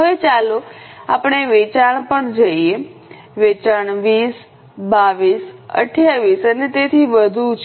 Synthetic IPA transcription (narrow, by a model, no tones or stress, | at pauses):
ɦəʋet͡ʃaloa̰pɳ̃eʋet͡ʃaɳ̃pəɳd͡ʒəie | ʋet͡ʃaɳ̃ʋiːs | baʋisə̰ʈʰjaʋisənet̪et̪ʰiʋəd̪ʱut͡ʃ